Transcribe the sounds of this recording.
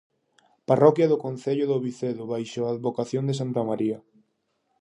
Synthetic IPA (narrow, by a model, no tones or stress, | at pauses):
parɔkjɐðʊkonθeʎʊðoβiθeðʊβajʃoaːðβokaθjond̪es̬ant̪amaɾiɐ